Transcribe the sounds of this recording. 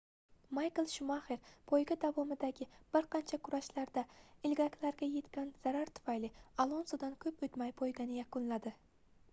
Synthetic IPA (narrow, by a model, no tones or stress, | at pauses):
majklˠʃʊmaχeɾpʰojɡʲad̪avɒmɪd̪aɡʲɪb̥ɪɾqʰɑnt͡ʃʰakʰʊɾaʃlaɾd̪aɪlɡʲakʲʰlaɾɡʲaje̞t̪kʲanz̥aɾaɾt̪ʰʊ̥fajlɪalˠonsod̪ankʲʰɵpɵt̪majpʰojɡʲanɪjakʊnlad̪ɪ